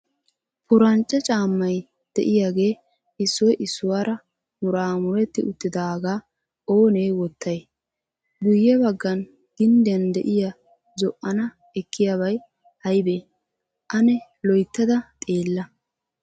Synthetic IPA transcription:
pʊɾɐnt͡ʃʼːɛt͡ʃʼaːmːɐj | d̪̥ɛ̰ʔɪjaːɡe̞ː | ʔɪsːɔjʔɪsːʊwaːɾɐ | mʊɾaːmʊɾɛt̪ːɪ̰ʔʊt̪ːɪd̪aːɡaː | ʔoːnejwɔt̪ːɐj | ɡʊjːɛbɐɡːɐn | ɡ̥ɪnd̪ɛnd̪ɛʔɪja | zɔʔʔɐnɐ | ɛkʰːɪjaβɐj | hɐjbeː | ʔɐnɛ | lɔjt̪ːɐd̪ɐt̪ʼeːlːɐ

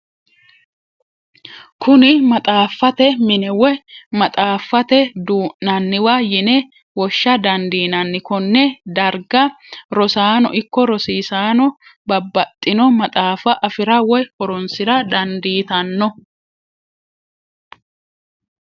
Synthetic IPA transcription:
kʰʊnɪmɐt̪ʼaːfːɐt̪ɛmɪnɛwɛmɐt̪ʼaːfːɐt̪ɛd̪uːʔnɐnːɪwajɪnɛ | wɔʃːɐd̪ɐnd̪iːnɐnːɪkɔnːɛd̪ɐɾɡɐ | ɾɔsaːnɔ̰ʔɪkːɔɾɔsiːsaːnɔbɐbːɐt̪ʼːɪnɔmɐt̪ʼaːfɐʔɐfɪɾɐwɔjhɔɾɔnsɪɾɐd̪ɐnd̪iːt̪ɐnːɔ

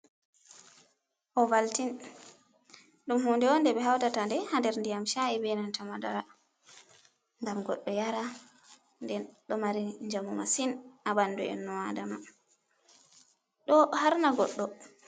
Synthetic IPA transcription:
ʔɔvaltin | ɗumhundɛwɔndɛbɛɦawtatandɛhandɛɾndijamʃaibɛnantamadaɾa | ŋɡamɡɔɗːɔjaɾa | ndɛnɗɔmaɾiɲd͡ʒamumasinabanduɛ̰nːɔwadama | ɗɔhaɾnaɡɔɗːɔ

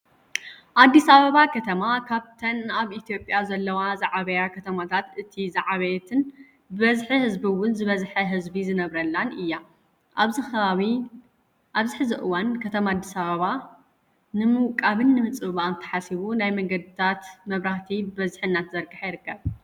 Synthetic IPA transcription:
ʔad̪ːisɐβɐβakʰɐt̪ʰɐmakʰaβt̪ʰɐnaβʔit̪ʰjo̞pʼjazɐlːɐwazaʕaβɐjakʰɐt̪ʰɐmat̪ʰat̪ɨt̪ʰizaʕaβɐjɛt̪ʰɨn | bɨβɐzħihɨzbiwʊnzɨβɐzħɐɦɨzbizɨnɐβɾɐlːanɨjːa | zɨxɐβaβi | ʔaβzɨħɨzɨʔɨwankʰɐt̪ʰɐmad̪ːisɐβɐβa | nɨmɨwkʼaβɨnːɨmɨt͡sʼɨβɨβant̪ʰɐ̥ħasiβunajmɐŋɡɐd̪ɨt̪ʰat̪mɐβɾaht̪ʰibɨβɐzħɨnːat̪zɐɾɡɨħjɪɾɨkʰːɐβ

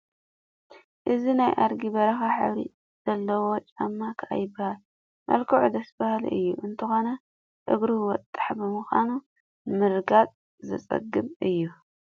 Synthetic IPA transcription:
ʔɨzinajʔaɾɡibɐɾɐxaħa̰βɾḭ | z̥ɐlːɐwo̞t͡ʃʼamːakʰɨʔa̰jɪbːahal | mʔɐ̰lkʰɨʕud̪ɐsbahal̰ʔɨ̰jːuʔɨnt̪ʰɨxo̞nɐ | ʔɨ̰ɡɾiwɔt̪ʼːḁħbɨmɨxʷa̰nu | mɨɾɡat͡sʼ | zɨ̰t͡sʼɐ̰ɡːɨmʔɨjːu

